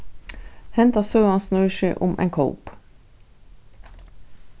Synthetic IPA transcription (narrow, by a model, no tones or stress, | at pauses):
hɛnt̪ɑsøːɑnsnʉːʃʏːʔʊ̰mʔḛːŋkʰə̰ʊp